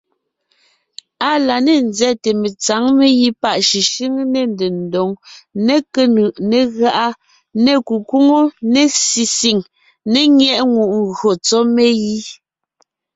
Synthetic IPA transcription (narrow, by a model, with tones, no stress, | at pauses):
a˦la˨ne˦˨nzɛ˦te˨me˨t͡sa˨˦ŋme˦ji˦pa˦ʔʃi˨ʃi˦ŋ˦ne˦˨n˨de˨n˨do˨ŋne˦ke˦nɯ˨ʔne˦ɣa˦ʔa˦ | ne˦˨ku˨ku˦ŋo˦ne˦si˨si˨ŋ | ne˦ŋjɛ˦ʔŋu˨ʔŋɣɰo˨t͡sɔ˦me˦ji˦